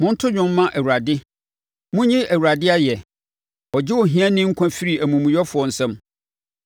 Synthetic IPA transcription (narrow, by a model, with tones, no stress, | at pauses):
mʊ̃˦n̩˦tʰʊ˦ɲᶣʊ̃˦mː˦ã˦ʔæ˨wu˨ɾa˨dɪ˦ | mʊ̃˦ɲĩ˦ʔæ˨wu˨ɾa˨dɪ˦a˦jɛ˨ | ɔ˨d͡ʑɪ˦ɔ˨ɦĩ˦ã˦nɪ̃˦ŋ̩˦kʷʰã˦fi˦ɾi˨æ˨mũ˨mũ˨jɔ˦fʊ˨ɔ˨n̩˨sɛ̃˦m